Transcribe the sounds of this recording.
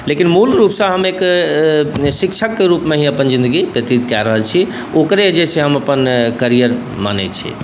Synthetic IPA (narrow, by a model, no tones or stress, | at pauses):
lekinmulɾupsə̃ɦəmek | sikt͡ʃʰəkːeɾupmeɦĩəpənd͡ʒĩnd̪əɡipət̪it̪kɛɾəɦəlt͡ʃʰi | okɾed͡ʒet͡ʃʰeɦəməpənkəɾijəɾ | ma̰nɛt̪̚t͡ʃʰḭ